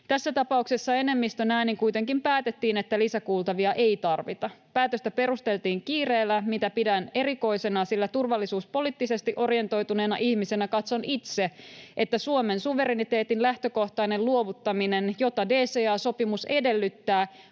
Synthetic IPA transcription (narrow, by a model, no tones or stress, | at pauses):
t̪æsːæt̪ɑpɑuksesːɑe̞ne̞mːist̪ønæːniŋkujt̪e̞ŋkimpæːt̪et̪ːiːne̞t̪ːælisækuːlt̪ɑʋiɑʔe̞jt̪ɑrʋit̪ɑpæːt̪øst̪æpe̞ɾust̪e̞lt̪iːŋkiːre̞ːlːæmit̪æpidæne̞ɾiko̞ise̞nɑsilːæt̪urʋɑlːisuːspo̞liːt̪ːise̞st̪iʔo̞rje̞nt̪o̞jt̪une̞ːnɑ̰ʔihmise̞nækɑt̪so̞nit̪seʔet̪ːæsuome̞nsuʋe̞ɾenit̪e̞ːt̪inlæht̪øko̞ht̪ɑinelluo̞ʋut̪ːɑminenjo̞t̪ɑdeːseːɑːso̞pimuse̞de̞lːyt̪ːæː